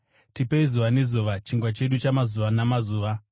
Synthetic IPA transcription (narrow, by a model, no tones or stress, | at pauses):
tipeizuʋane̞zuʋat͡ʃiŋɡwat͡ʃe̞ɗut͡ʃamazuʋanamazuːʋa